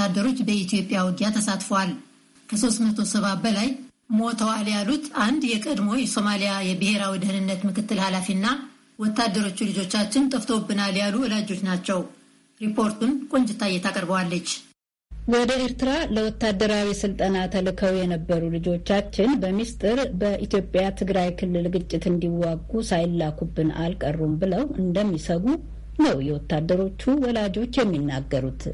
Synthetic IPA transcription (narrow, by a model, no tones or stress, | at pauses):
ad̪ːəɾo̞t͡ʃːbəit̪ʰjo̞pʼːjawɔɡ̪ijat̪ʰəsat̪fəwal | kʰəso̞st̪mət̪ʰo̞səβabəlaj | mo̞t̪ʰəwaljalut̪ʰand̪jɛkʼəd̪mo̞jɛso̞malijajɛbɨhe̞ɾawid̪ɨhɨnɨnːət̪mɨkɨt̪ːɨlhalafinːa | wɔt̪ːad̪ːəɾo̞t͡ʃːulɨd͡ʒo̞t͡ʃːat͡ʃːɪnt̪ʼɨft̪ʰo̞bːɨnaljaluwɔlad͡ʒo̞t͡ʃnat͡ʃːɛw | ɾipʰo̞ɾt̪unkʼo̞ɲd͡ʒɪt̪ːajːɛt̪ʰakʼəɾbəwalːət͡ʃː | wɔd̪əʔeɾt̪ʰɨɾaləwɔt̪ːad̪ːəɾawisɨlt̪ʼənat̪ʰəlɨkʰəwjɛnəbːəɾulɨd͡ʒo̞t͡ʃːat͡ʃːɪnbəmist̪ʼɨɾbəʔit̪jo̞pʼjat̪ʰɨɡɾajkʰɨlːɨlɡɨt͡ʃʼːɪt̪ɨnd̪iwːaɡːusajlːakʰubːɨna̰lkʼərːumbɨləwɨnd̪əmːisəɡu | nəwjɛwɔt̪ːad̪ːəɾo̞t͡ʃːuwɔlad͡ʒo̞t͡ʃːjɛmːinːaɡːəɾut̪